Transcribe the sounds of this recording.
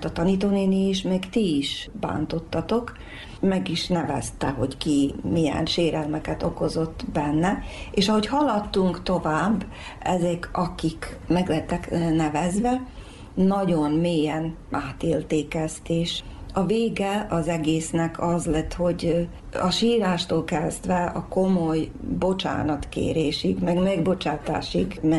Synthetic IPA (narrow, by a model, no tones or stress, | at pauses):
t̪ɒt̪ɒnit̪oːneːniːʃmɛːkt̪iiʃba̰ːnt̪o̞t̪ːɒt̪o̞k | mɛɡiʃnɛvɛ̰st̪ɛɦo̞ckimijɛ̰nʃeːɾɛlmɛkɛt̪o̞ko̞zo̞t̪ːbɛnːɛeːʃɒɦo̞chɒlɒt̪ːuŋkt̪o̞vaːbː | ɛzɛkɒkikmɛɡlɛɦɛt̪ːɛknɛvɛzvɛ | nɒɟo̞nmeːjɛn | aːt̪eːlt̪eːkɛst̪eːʃ | ɒveːɡɛɒzɛɡeːsnɛkʰɒzlɛt̪ːho̞ɟ | ɒʃiːɾaːʃt̪oːlkɛzd̪ʋɛɒ̰ko̞mojbo̞t͡ʃa̰ːnɒt̪kḛːɾeːʃikmɛɡmɛɡbo̞t͡ʃaːt̪a̰ːʃikmɛ